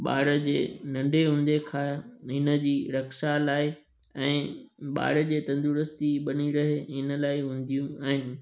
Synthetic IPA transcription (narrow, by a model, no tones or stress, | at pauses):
ɓa̰ːɽəd͡ʑḛːnɐ̃ɳɖʱeɦʊ̃n̆d̪ekʰaːɦɪnə̆d͡ʑiːɾɐkʃalaːɪ | ɛ̃ːɓa̰ːɽə̆d͡ʑeːt̪ɐ̃nd̪uːɾəst̪iɓɐniɾɐɦeɦɪnə̆laːɪɦʊ̃ːn̆d̪ijũaːɦɪnɪ̆